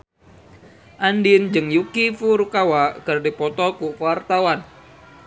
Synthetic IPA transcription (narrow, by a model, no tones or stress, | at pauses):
ʔandind͡ʒɨŋjukifuɾukawakərdipɔt̪ɔkufart̪awan